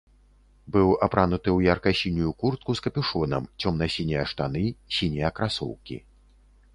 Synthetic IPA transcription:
bɨwapɾanut̪ɨwjarkɐsʲinʲujukurt̪̚kuskɐpʲuʂɔnɐmt͡sʲɔmnɐsʲinʲɛjɐʂt̪anɨsʲinʲijɐkɾasɔ̰wkʲḭ

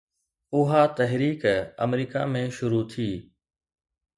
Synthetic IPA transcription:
ʊɦaːt̪ɐɦɾiːkə̰mɾiːka̰mẽʃʊɾut̪ʰiː

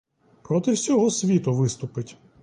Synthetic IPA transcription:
pɾɔt̪ɪwsʲɔɦɔsʲʋʲit̪ʊʋɪst̪ʊpɪtʲ

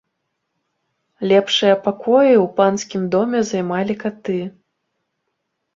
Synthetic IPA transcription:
lʲɛpʂɨjɐpakɔjiwpanskʲimd̪ɔmʲɛzajmalʲikat̪ɨ

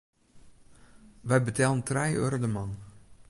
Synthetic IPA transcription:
ʋɛjbətɛlˠəntrɛjø̰rdəmɑn

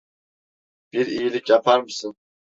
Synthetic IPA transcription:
b̥iɾijilʲikʲjapʰaɾmɯsɯn

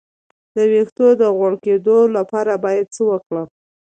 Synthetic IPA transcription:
d̪əwext̪od̪əɣwəɽked̪olapɑɾabɑjad̪̚t͡səwəkɽəm

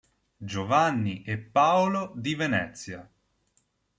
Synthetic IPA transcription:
d͡ʒovanːiʔepːaolod̪ivenɛt̪sːja

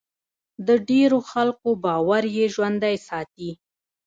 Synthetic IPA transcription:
d̪əɖeɾoxalkobɑwaɾjeʒwand̪ajsɑt̪i

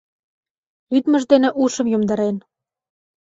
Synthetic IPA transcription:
lyd̪mə̆ʒd̪enĕʔuʃə̆mjomd̪ɑ̆ɾen

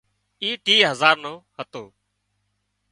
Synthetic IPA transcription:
iːʈiːɦəzaːɾnõːhət̪oː

